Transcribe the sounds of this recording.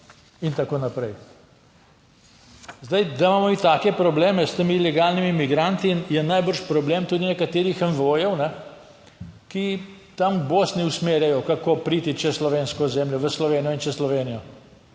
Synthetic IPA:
int̪akoːnapɾɛj | zd̪ajd̪amaːmɔmit̪aːkɛpɾɔbleːmɛst̪əmilɛɡaːlnimimiɡɾant̪injɛnajbəɾʃpɾɔbleːmt̪uːd̪inɛkat̪eːɾixənʋojɛwnɛ | ki | t̪amboːsniusmeːɾjajɔkakoːpɾiːt̪it͡ʃɛslɔʋeːnskɔzɛːmljɔʋəslɔʋeːnijɔint͡ʃɛslɔʋeːnijɔ

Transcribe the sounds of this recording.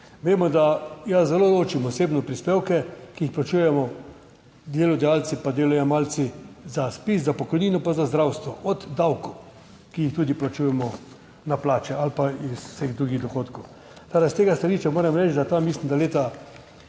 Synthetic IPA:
ʋeːmɔd̪ajazɛloːloːt͡ʃimɔseːbnɔpɾispeːwkɛkiixplat͡ʃuːjɛmɔ | d̪jeːlɔd̪ɛjaːlt̪sipad̪eːlajɔmalt̪sizaspiszapɔkɔjniːnɔpazazd̪ɾawst̪ʋɔʔɔd̪ːawkɔ | kijixt̪uːd̪iplat͡ʃuːjɛmɔ | naplaːt͡ʃɛalpaisʊ̥seɣd̪ɾuːɡiɣd̪ɔxoːt̪kɔw | t̪aɾast̪eːɡast̪aliːʃt͡ʃamoːɾɛmɾɛt͡ʃd̪at̪amːislimd̪aleːt̪a

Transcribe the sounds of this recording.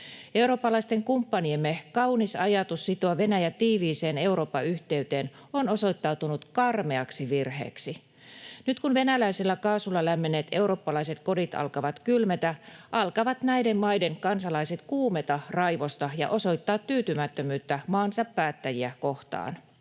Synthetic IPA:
e̞uɾoːpːɑlɑist̪eŋkumpːɑniemːekɑwnisɑjɑt̪usːit̪oɑʋe̞næjæt̪iːʋiːseːne̞uɾo̞ːpːɑyht̪eyt̪eːn | onoso̞it̪ːɑut̪unut̪kɑrmeɑksiʋirhḛːksi | nyt̪kunʋe̞nælæisilːækɑːsulːɑlæmːeneːt̪e̞uɾoːpːɑlɑiset̪ko̞dit̪ɑ̰lkɑʋɑt̪kylmet̪æʔɑlkɑʋɑt̪næidemmɑjdeŋkɑnsɑlɑiset̪kuːmet̪ɑrɑjʋost̪ɑjɑ̰ʔo̞so̞it̪ːɑːt̪ːyːt̪ymæt̪ːømyːt̪ːæmɑːnsɑpːæːt̪ːæjiækoht̪ɑ̰ːn

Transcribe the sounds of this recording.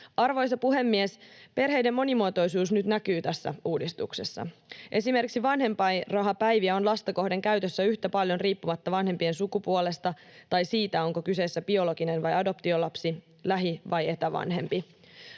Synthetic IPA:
ʔɑrʋo̞jsɑpuɦe̞mːiespe̞rɦe̞jdemːo̞nimuot̪o̞jsuːsnyt̪nækyːt̪æsːæ̰uːdist̪ukse̞sːɑ̰ʔe̞sime̞rkiksiʋɑnɦe̞mpɑjrɑɦɑpæjʋiæo̞nlɑst̪ɑko̞hde̞ŋkæyɥt̪øsːæyçt̪æpɑljo̞nriːpːumɑt̪ːɑʋɑnhe̞mpie̞nsukupuole̞st̪ɑt̪ɑjsiːt̪æo̞ŋko̞kyse̞sːæbio̞loɡinenʋɑjɑdo̞pt̪iolɑpsi | læɦiʋɑje̞t̪æʋɑ̰nɦe̞mpi

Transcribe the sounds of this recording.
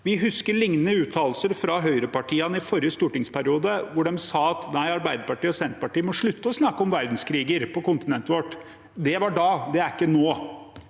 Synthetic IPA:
ʋɪɦʉskəɾɭɪŋnənəʉːt̪ʰɑːlsəɾfɾɑɦœʏɾəpɑʈʰiːɑnəɪfɔɾjəst̪uːʈɪŋspʰæɾɪuːd̪əʋʊɖɛmsɑːɑt̪næɪɑɾbæɪd̪əɾpɑʈiːɔsɛnt̪pɑʈiːəmɔʂɭʉt̪ːəɔsnɑkːəɔmʋæɾd̪n̩skʰɾiːɡəɾpɔkʊnt̪ɪnɛnt̪əʋɔʈː | d̪ɛʋɑɖɑːd̪ɛæɾɪkːənoː

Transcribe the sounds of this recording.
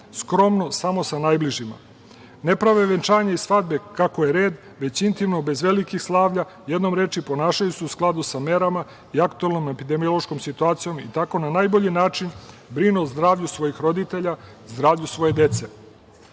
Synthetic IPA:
skɾo̞mno̞samo̞sanaːjbliʒima̰ | ne̞pɾaʋeʋent͡ʃaːɲeisʋad̪̚be̞kakoje̞ɾe̞ːd̪ | ʋe̞t͡ɕint̪imnobe̞zʋe̞likixslˠaːʋʎa | jed̪no̞mɾe̞ːt͡ʃipo̞naːʃajuseusklˠad̪usame̞ɾama | iakt̪uelˠnome̞pid̪e̞mijo̞lˠo̞ʃkomsit̪uaːt̪sijo̞mit̪ako̞nanajboʎinaːt͡ʃin | bɾinuzd̪ɾaːʋʎusʋo̞jixɾo̞d̪it̪e̞ʎa | zd̪ɾaːʋʎusʋo̞je̞d̪e̞t̪se̞

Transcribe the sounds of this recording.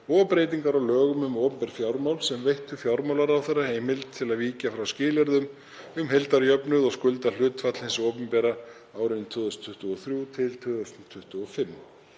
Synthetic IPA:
ɔpɾejt̪̬iŋkaɾawlœːɣʏmʏmɔːpʏmpɛɾ̥fjawɾmawlsɛmvejht̪ʏfjawɾmawlaɾawθeɾːahejmɪlt̪ʰːɪlaðviːcafɾawscɪːlɛɾðʏm | ʏmɦejlt̪aɾjœpnʏðɔskʏlt̪al̥ʏːt̪fat̪l̥ɪnsɔːpʏmpɛɾa | aːwɾɪnt̪ʰʏːðʏst̪ʰʏht̪ʏɔθɾjut̪ʰɪlt̪ʰœðʏst̪nt̪ʰʏht̪ʏɔfɪmː

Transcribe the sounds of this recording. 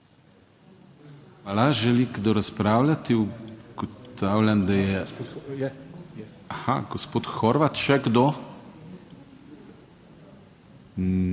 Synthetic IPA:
xʋalaʒɛliɡd̪oɾaspɾawlʲat̪iuɡ̥ot̪aːwlʲand̪ajɛ | axa̰ɡospoːt̪xɔɾʋat̪ʃɛɡd̪o

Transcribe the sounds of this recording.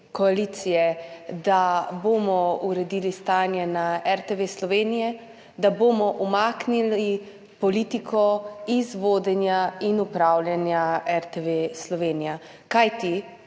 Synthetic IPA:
kɔalit̪sijɛd̪aboːmɔuɾɛd̪iːlist̪aːnjɛnaɛɾt̪eʋeslɔʋeːnijɛ | d̪aboːmɔʔumaːknili | pɔliːt̪ikʰɔizʋoːd̪ɛnjainupɾawljanjaɛɾt̪eʋeslɔʋeːnija | kajt̪i

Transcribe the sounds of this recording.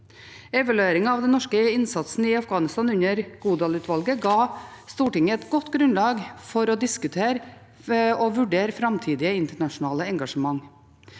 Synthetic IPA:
ɛʋɑlʉeːɾɪŋɑɑʋd̪ɛnɔʂkəɪnsɑt̪snəɪɑfɡɑːnɪst̪ɑːnʉɲəɾɡ̥uːd̪ɑːlʉːt̪ʰʋɑlɡəɡɑːst̪uːʈɪŋəɛt̪ɡɔt̪ːɡɾʉnlɑːɡfɔɾɔd̪ɪskʉt̪ʰeːɾ | ɔʋʉɖeːɾfɾɑmt̪ʰiːd̪ɪəɪnt̪əɳɑʂʊnɑːləɛŋɡɑʂəmɑŋ

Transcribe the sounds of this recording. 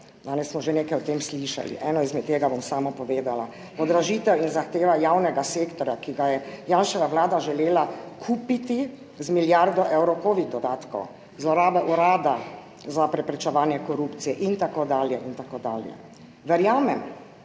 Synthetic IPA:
d̪aːnɛsːmɔʒeneːkajɔt̪eːmsliʃa̰lḭʔɛːnɔizmɛt̪t̪ːeːɡabɔmsaːmɔpɔʋeːd̪ala | pɔd̪ɾaʒiːt̪ɛwinzaxt̪eːʋajawnɛɡaseːkt̪ɔɾjakiɡajɛjaːnʃɛʋaʋlaːd̪aʒɛleːlakʰuːpit̪i | zmiljaɾd̪ɔʔɛwɾɔkoːʋid̪̚d̪ɔd̪aːt̪kɔ̰w | zlɔɾaːbɛʔuɾaːd̪a | zapɾɛpɾɛt͡ʃɛʋaːnjɛkɔɾuːpt̪sijɛʔint̪akod̪aːljɛʔint̪akoːd̪a̰ːljɛ̰ | ʋɛɾjaːmɛm

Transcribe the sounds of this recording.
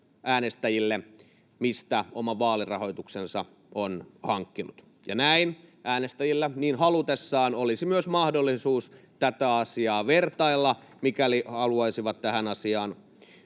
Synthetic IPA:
ʔæːnest̪æjilːe | mist̪æomɑʋɑːlirɑ̰ho̞it̪uksensɑ̰ | onhɑŋkːinut̪ | jɑ̰næinʔæːnest̪æjilːæniːnhɑlut̪esːɑːnolisimyøsmɑhdolːisuːs | t̪æt̪æɑsiɑːʋert̪ɑilːɑmikælihɑluɑisiʋɑt̪t̪æhænɑsiɑːn

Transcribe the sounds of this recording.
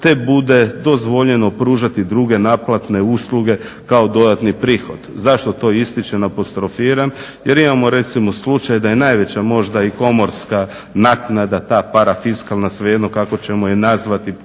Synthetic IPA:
t̪e̞bud̪e̞d̪o̞zʋo̞ʎe̞no̞pɾuːʒat̪id̪ɾuɡe̞naplˠat̪neuːsluɡe̞ | kao̞d̪o̞d̪at̪nipɾiːxo̞̰d̪zaʃt̪o̞t̪o̞ːist̪it͡ʃenapost̪ɾofiːɾam | jeɾimamo̞ɾe̞t̪simo̞slˠut͡ʃajd̪aje̞najʋe̞t͡ɕamo̞ʒd̪aiko̞mo̞ɾska | naknad̪at̪aːpaɾafiskalˠnasʋejed̪nokako̞t͡ɕe̞mojenazʋat̪i

